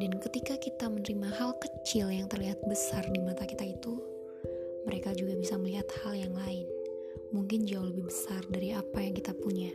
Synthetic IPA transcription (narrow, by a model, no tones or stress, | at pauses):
dankət̪ikakit̪amənəɾimaɦalkət͡ʃɪljaŋt̪ərliɦat̪̚bəsardimat̪akit̪ait̪u | məɾekad͡ʒuɡabisaməliɦat̪haljaŋlaɪn | muŋkɪnd͡ʒawuhləbɪhbəsardaɾiapajaŋkit̪apuɲa